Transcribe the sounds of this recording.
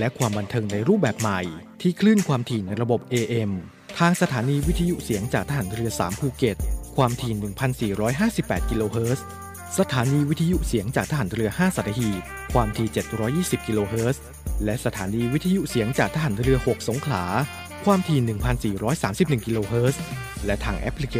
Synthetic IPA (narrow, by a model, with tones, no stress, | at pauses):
lɛ˦˥ʔkʰwaː˧mba˧nt̪ʰɤː˧ŋna˧jɾuː˥˩p̚bɛː˨˩p̚ma˨˩jt̪ʰiː˥˩kʰlɯː˥˩nkʰwaː˧mt̪ʰiː˧˩na˧jɾa˧bo˨˩p̚ʔeː˧ʔe˧m | t̪ʰaː˧ŋsa˧t̪ʰaː˩˦niː˧wi˦˥t̪ʰa˧ju˦˥ʔsi˨˩˦əŋt͡ɕaː˨˩k̚t̪ʰa˦ɦa˩˦nɾɯ˧ɐsaː˩˦mpʰuː˧ke˨˩t̪̚kʰwaː˧mt̪ʰiː˨˩nɯ˨˩ŋpʰa˧nsiː˨˩ɾɔː˦˥jɦaː˥˩si˨˩pːɛː˨˩t̪̚ki˧loː˧ɦɤː˦˥s | sa˧t̪ʰaː˩˦niː˧wi˦˥t̪ʰa˧ju˦˥ʔsi˩˦əŋt͡ɕaː˨˩k̚t̪ʰa˧ɦaː˨˩˦nɾɯ˧ɐhaː˥˩sa˨˩t̪ʰa˧hiː˨˩t̪̚kʰwaː˧mt̪ʰiː˧˩t͡ɕe˨˩t̪̚ɾɔː˦˥jːiː˥˩si˨˩p̚ki˧loː˧ɦɤː˦˥s | lɛ˦˥sa˧t̪ʰaː˩˦niː˧wi˦˥t̪ʰa˧ju˦˥ʔsi˨˩˦əŋt͡ɕaː˨˩k̚t̪ʰa˦ɦaː˨˩˦nɾɯ˧ɐho˨˩k̚so˩˦ŋkʰlaː˩˦ | kʰwaː˧mt̪ʰiː˨˧˩nɯ˨˩ŋpʰa˧nsiː˨˩ɾɔː˦˥jsaː˩˦msi˨˩p̚nɯ˨˩ŋki˧loː˧ɦɤː˦˥s | lɛ˦˥t̪ʰaː˧ŋʔɛ̰˦˥pʰli˧k